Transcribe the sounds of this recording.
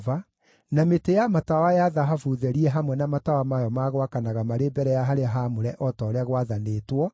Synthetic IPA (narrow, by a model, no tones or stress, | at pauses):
va | nametejamatawajaðaɦafuðɛɾiɛɦamwɛnamatawamajɔmaɣwakanaɣamaɾebɛɾɛjaɦaɾeaɦamoɾɛʔɔtɔːɾɛaɣwaðaneːtwɔ